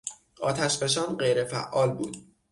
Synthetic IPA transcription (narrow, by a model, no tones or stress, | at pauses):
ʔɒːt̪ʰæʃbe̞ʃɒːnɢe̞jɾefæ̰ʔːɒːlbuːd̪